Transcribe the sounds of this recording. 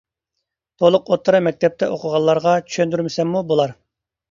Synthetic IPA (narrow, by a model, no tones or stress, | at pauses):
t̪ʰolˠʊqot̪ʰːɨɾɨmɛk̚ʲt̪ʰɛp̚t̪ʰɛ̰ʔoqʰʊʁɑlˠːɑɾʁɑt͡ʃʰy̥ʃønd̪yɾmɪsɛmːubolˠɑɾ